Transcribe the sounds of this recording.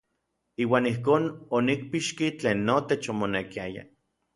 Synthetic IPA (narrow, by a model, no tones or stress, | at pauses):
iːwaːnihkoːnonik̚piʃkit͡ɬeːnːot̪et͡ʃomonekiaja̰